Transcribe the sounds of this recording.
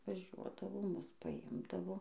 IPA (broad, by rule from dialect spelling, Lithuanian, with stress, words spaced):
ʋɐˈʒʲuɔdɐʋoː ˈmʊs pɐˈɪmdɐʋoː